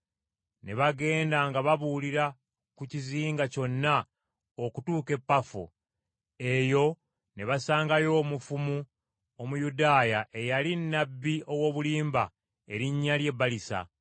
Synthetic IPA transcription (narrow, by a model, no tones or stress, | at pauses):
ne̞βaɡe̞ːndaŋɡaβaβuliɾa | kuciziːŋɡaco̞nːa | okutuːke̞pːafṵ | e̞jo̞ | ne̞βasaːŋɡajo̞ːmufumu | o̞mujudaːjaʔe̞jalinːabːio̞wo̞ːβuliːmba | e̞ɾiɲːalje̞bːalisa̰